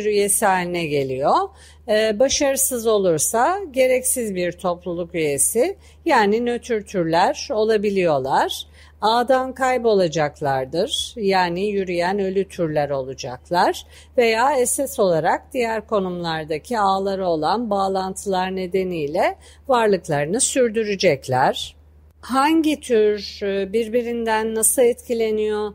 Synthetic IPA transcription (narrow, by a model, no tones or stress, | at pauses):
ɾyje̞siɦalʲinɛɟe̞lʲijo̞ | baʃaɾɯsɯzo̞lˠuɾsaɟe̞ɾɛcsizbiɾt̪ʰo̞plˠulˠukyje̞si | jaːninøt̪ʰyɾt̪ʰyɾlʲæɾo̞lˠabilʲijo̞lˠaɾ̥ | aːd̪ankʰajpo̞lˠad͡ʒaklˠaɾd̪ɯɾ̥jaːnijyɾyjænø̞lʲyt̪ʰyɾlʲæɾo̞lˠud͡ʒa̰klˠaɾ̥ | ve̞jaːesɛso̞lˠaɾak̚d̪̥ijæɾko̞numlˠaɾd̪acʰiaːlˠaɾɯo̞lˠanbaːlˠant̪ʰɯlˠaɾne̞d̪enijlʲɛ | vaɾlˠɯklˠaɾɯnɯsyɾd̪yɾyd͡ʒɛclʲæɾ̥ | haɲɟit̪ʰyɾbiɾbiɾind̪ænːasɯlˠɛt̪cʰilʲe̞nijo